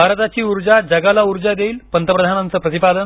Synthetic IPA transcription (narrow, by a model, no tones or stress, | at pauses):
bʱaɾt̪at͡ɕiːuɾd͡ʑad͡ʑəɡalauɾd͡ʑad̪eiːlpənt̪əpɾəd̪ʱanant͡səːpɾət̪ipad̪ən